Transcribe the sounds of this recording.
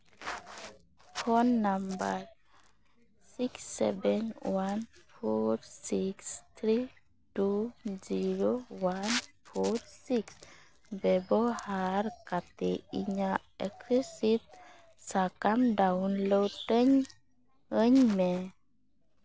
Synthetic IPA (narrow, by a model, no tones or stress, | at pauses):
fʰɔnːambaɾ | siksɛ̰bɛnwanfʰoɾsikst̪ʰɾi | tuziɾowanfʰoɾsiks | bɛbɔhaɾkat̪eiɲa | ɛkɛsit̪̚ | sakamdaunlotəɲ | əɲmɛ